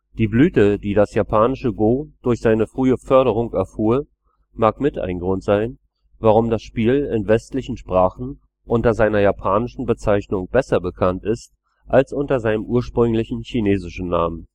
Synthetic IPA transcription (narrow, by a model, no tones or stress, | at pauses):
d̥iːblyːtəd̥iːdasjapʰaːnɪʃəɡoːd̥ʊɐçz̥aɪnəfʁ̥yːəfœɐɾəʁ̞ʊŋɛɐfuːɐ | maːkmɪta̰ɪnɡʁʊntz̥aɪn | vaʁ̞ʊmdasʃpiːlɪnvɛstlɪçn̩ʃpʁ̥aːχn̩ | ʔʊntɐzaɪnɐjaːpʰaːnɪʃn̩bət͡saɪçnʊŋb̥ɛsɐbəkʰantɪst | ʔalsʔʊntɐzaɪnəmʔuːɐʃpʁ̥ʏŋlɪçn̩çineːzɪʃn̩naːmən